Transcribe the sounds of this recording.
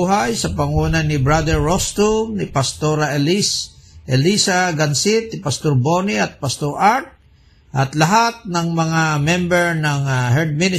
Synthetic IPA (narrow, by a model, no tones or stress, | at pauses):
ɦajsɐpɐŋuːnanɪbɹad̪ɛɹːost̪omnɪpɐst̪oɾa | ʔɛlisaɡansɪt̪̚ːɪpɐst̪oɾboniɐt̪̚past̪oɾaɹt̪̚ | ʔɐt̪lɐɦat̪̚nɐŋmɐŋamɛmbɛɹnɐŋhɛɹd̪̚mɪnɪ